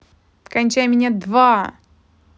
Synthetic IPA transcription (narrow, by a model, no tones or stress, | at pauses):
kɐnʲt͡ɕæjmʲɪnʲad̪va